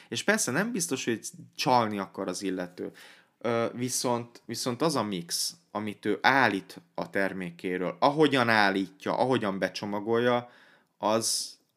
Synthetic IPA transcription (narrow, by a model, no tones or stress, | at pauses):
eːʃpɛrsɛnɛmbist̪o̞ʃho̞ɟt͡ʃɒlniɒkɒɾɒzilːɛt̪øː | øviso̞nt̪viso̞n̪t̪ɒzɒmiks | ɒmit̪øːʔaːlːiːt̪ɒt̪ɛrmeːkeːɾø̰ːlɒɦo̞ɟɒnaːlːiːcːɒ̰ʔɒɦo̞ɟɒmbɛt͡ʃo̞mɒɡo̞jːɒ | ɒz